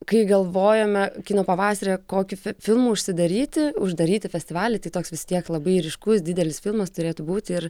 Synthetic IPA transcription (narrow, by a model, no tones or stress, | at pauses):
kɐɪɡɐlˠʋoːjɛːmʲɛkʲiːnoːpɐʋɑːsɐɾʲeːkoːkʲʊfʲɪlˠmuːʊʃʲsʲɪd̪ɐɾʲiːt̪ʲɪʊʒd̪ɐɾʲiːt̪ʲɪfʲɛsʲt̪ʲɪʋɑːlʲɪt̪ɐɪt̪oːksʋʲɪst̪ʲiɛklˠɐbɐɪɾʲɪʃkʊsd̪ʲɪd̪ʲɛlʲɪsfʲɪlˠmɐst̪ʊɾʲeːt̪ʊbuːt̪ʲɪr